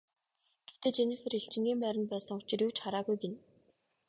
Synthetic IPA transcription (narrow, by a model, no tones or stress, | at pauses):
ɡ̥ewt̪eːt͡ɕenĭfĕreɬt͡ɕɪ̆ŋɡʲiːmpæɾʲɪ̆npæːsə̆ŋʊt͡ɕɪ̆ruwt͡ɕχaɾaːɣujɡen